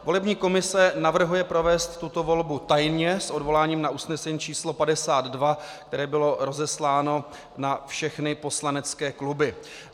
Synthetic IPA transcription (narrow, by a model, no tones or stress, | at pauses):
vo̞lɛbɲiːko̞mɪsɛnavr̩ɦujɛpɾo̞vɛːst̪ːut̪o̞vo̞lbut̪ajnɲɛsʔo̞dvo̞laːɲiːmnaʔusnɛsɛɲiːt͡ʃiːslo̞padɛsaːd̪dvakt̪ɛɾɛːbɪloɾo̞zɛslaːno̞ | nafʃɛxnɪpo̞slanɛt͡skɛːklubɪ